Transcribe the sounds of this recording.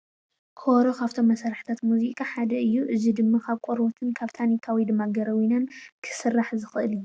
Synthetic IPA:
kʰoɾo̞kʰaβt̪ʰo̞mːɐsaɾħɨ̥t̪ʰat̪muzikʼaħad̪ɐʔɨjːuʔɨzid̪ɨmːakʰaβkʼoɾbot̪ʰɨnkʰaβt̪ʰanikʰawid̪ɨmːaɡɐɾɐwinɐnkʰɨ̥sɨrːaħzɨxɨʔɨli

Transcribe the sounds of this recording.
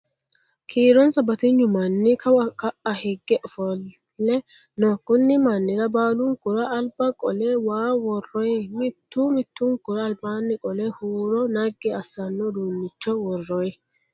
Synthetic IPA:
kʰiːɾɔnsɐbɐt̪ɪɲːʊmɐnːɪkʰɐwɐkɐʔɐhɛɡːɛʔɔfɔl | lːɛ | nɔkʼːʊnːɪmɐnːɪɾɐbaːlʊŋkʊɾɐʔɐlbɐkʼɔlɛwaːwɔrːɔjmɪt̪ːuːmɪt̪ːʊŋkʊɾɐːlbaːnːɪkʼɔlɛhuːɾɔnɐɡɛɐsːɐnːɔd̪uːnːɪt͡ʃːɔwɔrːɔjɛ

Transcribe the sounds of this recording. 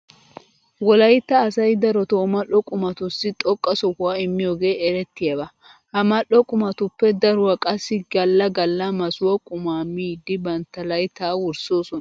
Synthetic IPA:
wɔlɐjt̪ːɐːsɐjd̪ɐɾɔt̪oːmɐʔɔkʼʊmɐt̪ʊsːɪt̪ʼɔkʼːɐsɔhʊwaɪmːɪjoːɡe̞ːʔɛɾɛt̪ːɪjɐbɐ | hɐmɐlɔkʼʊmɐt̪ʊpːɛd̪ɐɾʊwɐkʼɐsːɪɡɐlːɐɡɐlːɐmɐsʊwɐkʼʊmaːmiːd̪ːɪbɐnt̪ːɐlɐjt̪aːwʊɾso̞ːsɔnɐ

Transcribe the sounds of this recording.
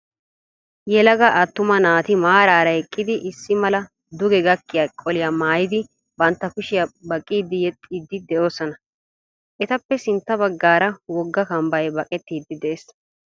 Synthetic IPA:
jɛlɐɡɐʔɐt̪ːʊmɐnaːt̪ɪmaːɾaːɾɐɛkʼːɪd̪ɪʔɪsːɪmɐlɐ | d̪ʊɡɛɡɐkːɪjakʼɔlɪjamaːjɪd̪ɪ | bɐnt̪ːɐkʊʃɪjɐbɐkʼːiːd̪ːɪjɛt̪ʼːiːd̪ːɪd̪ɛʔo̞ːsɔnɐ | ʔɛt̪ɐpːɛsɪnt̪ːɐbɐɡːaːɾɐwɔɡːɐkɐmbɐjbɐkʼɛt̪ːiːd̪ːɪd̪ɛʔes

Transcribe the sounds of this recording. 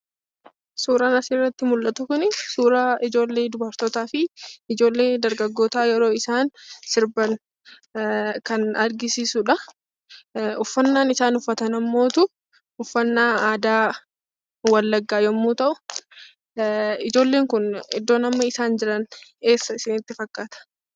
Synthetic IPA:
suːɾɐnɐsiːrːɐt̪ːɪmʊlːɐt̪ʊkʊnɪsuːɾɐɪd͡ʒo̞ːlːeːd̪ʊbɐɾt̪oːt̪aːfɪɪd͡ʒo̞ːlːe̞ːd̪ɐɾɡɐɡːo̞ːt̪aːjɛɾo̞ːɪsaːnsɪɾbɐn | kɐnɐɾɡɪsiːsuᶑɐ | ʊfːɐnːaːnɪsaːnʊfːɐt̪ɐnɐmːo̞ːt̪ʊ | ʊfːɐnːaːaːd̪aː | wɐlːɐɡːaːjɔmːuːt̪ɐʔʊ | ɪd͡ʒo̞ːlːe̞ːŋkʊnɪ̰d̪ːo̞ːnɐmːɐɪsaːnd͡ʒɪᶑɐne̞ːsːɐɪsɪnɪt̪ːɪfɐkːaːt̪ɐ̥

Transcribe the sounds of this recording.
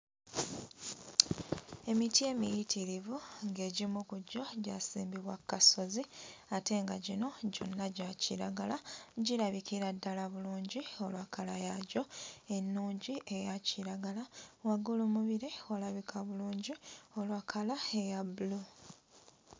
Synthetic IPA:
e̞mitie̞ːmijitʰiɾivuŋɡe̞ːɟimukuɟːo̞ɟa̰sḭːmbiβwakːaso̞ziate̞ŋɡaɟino̞ɟo̞̰nːaɟaciɾa̰ɡalaɟiɾaβikiɾadːalaβuluːɲɟio̞lwakʰalajaɟo̞e̞nːuːɲɟiʔe̞jacʰiɾaɡalawaɡulumuβiɾewalaβikʰaβuluːɲɟio̞lwakʰalae̞jabulu

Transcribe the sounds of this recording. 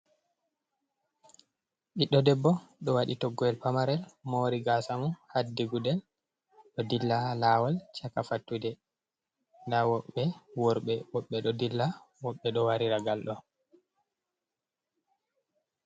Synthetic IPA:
ɓiɗːɔdɛbːɔɗɔwaɗitɔɡːɔɛlpamaɾɛlmoɾiɡasamuhadːiɡudɛl | ɗɔdilːalawalt͡ʃakafatːudɛ | dawɔɓːɛwɔɾɓɛwɔɓːɛɗɔdilːa | wɔɓːɛɗɔwaɾiɾaɡalɗɔ

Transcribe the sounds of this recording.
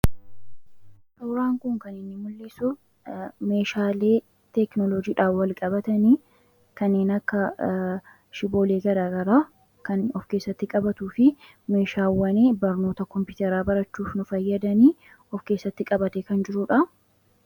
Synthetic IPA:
t̪ɐwɾaːŋkʊŋkɐnɪnːɪmʊlːɪsʊ | me̞ːʃaːle̞ː | t̪ɛknɔlɔd͡ʒiːᶑaːfwɐlkʼɐbɐt̪ɐniː | kɐnːeːnɐkːɐ | ʃɪbo̞ːleːɡɐd̪aːɡɐɾaː | kɐnɔfke̞ːsːɐt̪ːɪkʼɐbɐt̪uːfɪ | me̞ːʃaːwːɐniːbɐɾnoːt̪ɐkɔmpɪʊt̪ɛɾaːbɐɾɐt͡ʃːuːfnʊfɐjːɐd̪ɐniː | ɔfke̞ːsːɐt̪ːɪkʼɐbɐt̪ɛkɐnd͡ʒɪɾʊᶑɐ

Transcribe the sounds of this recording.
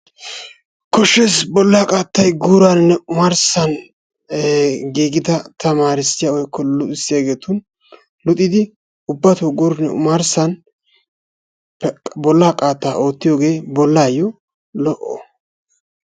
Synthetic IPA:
kɔʃːesbɔlːaːkʼaːt̪ːɐjɡuːɾaːnɪnːɛʊmaɾsɐn | ɡiːɡɪd̪ɐt̪ʰɐmaːɾɪsɪjawɔjkːɔlʊt̪ʼɪsːɪjɐɡe̞ːt̪ʊn | lʊt̪ʼːɪd̪ɪ | ʊbːɐt̪oɡɔɾnːɛʊ̰maɾsɐn | bɔlːaːkʼaːt̪ːaːʔo̞ːt̪ːɪjoːɡe̞ːbɔlːaːjɔ | lɔʔɔ̰

